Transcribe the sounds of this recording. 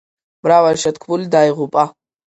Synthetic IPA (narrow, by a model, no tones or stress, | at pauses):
bɾawalʃɐtkʰbuldaːjʁʊpʼa